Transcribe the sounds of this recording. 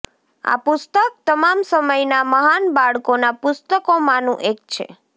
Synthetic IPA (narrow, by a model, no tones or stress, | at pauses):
a̰pʊst̪ək̚t̪əmamsəməjnaməɦanbaɭkonapʊst̪əkomãnũʔek̚t͡ʃʰḛ